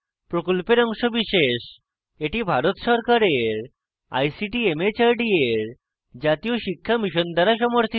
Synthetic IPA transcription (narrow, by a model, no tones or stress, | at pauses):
pɾokolpeɾɔŋʃobiʃeʃ | eʈibʱaɾot̪sɔɾkaɾeɾ | a̰jsiʈiemet͡ɕaɾɖieɾ | d͡ʑat̪ijoʃikʰːamiʃɔnd̪ʱaɾaʃɔmoɾt̪ʰi